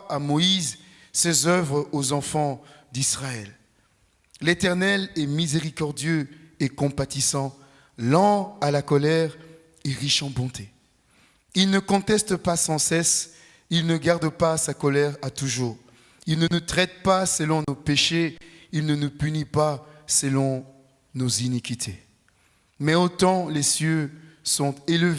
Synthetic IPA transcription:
amɔiz | sezœvʁozɑ̃fɑ̃d̪isχaɛl | let̪ɛʁnɛlɛmizeʁikɔʁd̪jøekɔ̃pat̪isɑ̃ | lɑ̃alakɔlɛʁ | eʁiʃɑ̃bɔ̃t̪ʰe | ilnəkɔ̃t̪ɛst̪əpasɑ̃sɛs | ilnəɡaʁd̪pasakɔlɛʁat̪uʒuːʁ | ilnənut̪χɛt̪̚pasəlɔ̃nopeʃeilnənupynipasəlɔ̃ | nozinikʲit̪ʰe | mɛot̪ɑ̃lesjøsɔ̃t̪eləve

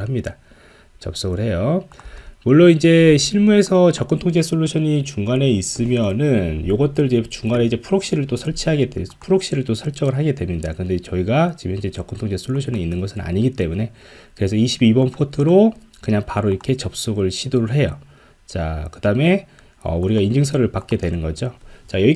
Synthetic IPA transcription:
ɦamɲida | t͡ɕʌ̰p̚s͈oɡɯɭɦhe̞jo | muɭːonind͡ʑe̞ɕʰiɭmue̞sʰʌt͡ɕʌk͈ɯntʰoŋd͡ʑʰesʰoɭːuɕʰʌɲit͡ɕuŋɡane̞is͈ɯmjʌnɯnjoɡʌt̚t͈ɯɾid͡ʑe̞t͡ɕuŋɡane̞id͡ʑe̞pʰuɾok̚ɕ͈iɾɯɭt͈osʰʌɭt͡ɕʰiaɡe̞depʰuɾok̚ɕ͈iɾɯɭt͈osʰʌɭt͡ɕ͈ʌɡɯɭɦaɡe̞dwe̞mɲidakɯʌnde̞t͡ɕʌiɡat͡ɕibind͡ʑe̞t͡ɕʌk͈ɯntʰoŋt͡ɕʰesʰoɭːuɕʰʌnɲiinːɯnɡʌsʰɯna̰ɲiɡit͈e̞mune̞ | kɯɾe̞sʰʌiɕʰibibʌnpʰotʰɯɾo | kɯɲaŋpaɾoiɾʌkʰe̞t͡ɕʌp̚s͈oɡɯɭɕʰidoɾɯɭɦe̞jo̰ | t͡ɕa̰kɯd̥ame̞ | ʌ̰uɾiɡaind͡ʑɯŋsʰʌɾɯɭpak͈e̞dwe̞nɯnɡʌd͡ʑot͡ɕajʌi

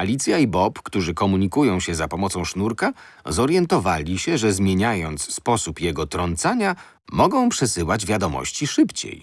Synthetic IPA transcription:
alʲit̪sʲjaibɔpkt̪uʐɘkɔmuɲikujɔ̃w̃ɕɛzapɔmɔt̪sɔ̃w̃ʂnuɾka | zɔɾjɛnt̪ɔvalʲiɕɛʐɛzmʲjeɲajɔnt̪sspɔsupjɛɡɔt̪ɾɔnt̪saɲa | mɔɡɔ̃w̃pʂɛsɘwad͡ʑvʲjad̪ɔmɔ̰ɕt͡ɕiʂɘpt͡ɕḛj

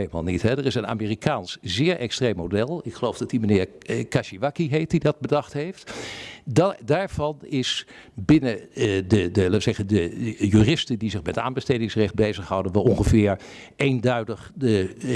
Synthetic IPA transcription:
eləma̰ːlˠnitɦɛdərɪsəna̰ːmeːrikaːnszɪːɹʔɛkstrejmɦodɛlˠɪkχəlowfdɑtdimənɪːɹkaʃiʋakiɦejt̚didɑd̚bədɑχtɦejftddaːɹv̥ɑnɪsbɪnədədəlaːtʋəzɛχəndəjyːrɪstəndizɪχmɛta̰ːnbəstejdɪŋsrɛχt̚bejzəχɦɑwdənʋɑlˠɔŋχəvɪːɹ | ejndœɥdəχdə

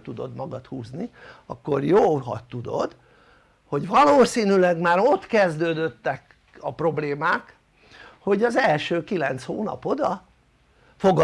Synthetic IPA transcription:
t̪ud̪o̞̰d̪mɒɡɒt̪huːzniɒkːorjoːɦɒ̰t̪ːud̪o̞̰d̪ | ho̞ɟvɒloːsiːnylɛɡmaːɾo̞t̪kɛzd̪øːd̪øt̪ːɛk | ɒpro̞bleːmaːk | ho̞ɟɒzɛlʃøːkilɛnt̪shoːnɒ̰po̞d̪ɒ | foɡ

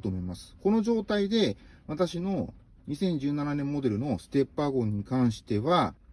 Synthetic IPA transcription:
t̪oːmo̞imasɨ̥ko̞no̞ʑo̞ːt̪aid̪e̞βat̪aɕino̞ | ɲ̟isẽ̞ɲ̟d͡ʑɨːnananẽ̞mːo̞d̪e̞ɾɯ̟no̞sɨ̥t̪e̞pːaɡo̞ɲ̟ːikãɰ̃ɕi̥t̪e̞βa

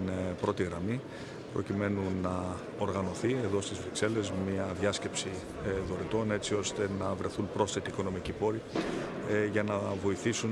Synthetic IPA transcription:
npɾo̞t̪iɣɾɐmi | pɾo̞̰cime̞nunɐ | o̞ɾɣɐno̞θie̞ðo̞st̪izvɾikse̞le̞zmiɐðʝɐsce̞psi | ðo̞ɾit̪o̞ne̞t͡sio̞st̪e̞nɐvɾe̞θunpɾo̞sθe̞t̪iːkono̞micipo̞ɾi | ʝɐnɐvo̞iθisun

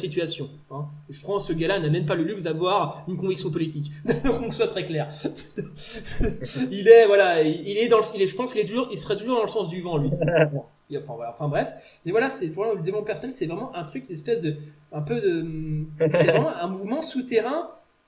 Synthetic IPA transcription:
sit̪̬yasjɔ̃ | ɛ̃ʒəpʰχwɑ̃səɡalanamɛnp̬aləlyksd̪avwaʁynkɔ̃viksjɔ̃p̬ɔlit̪ik̪ɔkɔ̃kswat̪χɛklɛːʁs | ilɛvwalaiilɛd̪ɑ̃ləsilɛʒəpɑ̃skʲilɛt̪uʒuʁilsəʁɛt̪uʒuʁd̪ɑ̃ləsɑ̃sd̪yvɑ̃lɥi | ɑ̃fɛ̃vwalaɑ̃fɛ̃bʁɛfmɛvwalasɛpɔləd̪evɔ̃pɛʁsɔnɛlsɛvʁɛmɑ̃ʔɛ̃t̪χyk̪ɛspɛsd̪ə | ɛ̃pød̪əmsɛvʁɛmɑ̃ɛ̃muvmɑ̃sut̪eʁɛ̃

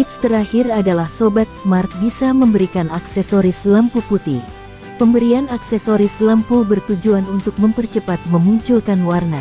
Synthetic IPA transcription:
it̪st̪əɾahiradalahsobat̪̚smart̪̚bisaməmbəɾikanaksɛsoɾisləmpuput̪i | pəmbəɾianaksɛsoɾisləmpubərt̪ud͡ʒuanunt̪ʊk̚məmpərt͡ʃəpat̪̚məmuɲt͡ʃulkanwarna

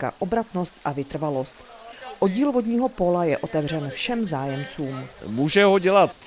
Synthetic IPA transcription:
ka̰ʔo̞bɾat̪no̞st̪ʔavɪt̪r̩valo̞st̪ | ʔoɟiːlvo̞dɲiːɦo̞po̞lajɛʔo̞t̪ɛvr̝ɛnfʃɛmzaːjɛmt͡suːmmuːʒɛɦoɟɛlat̪

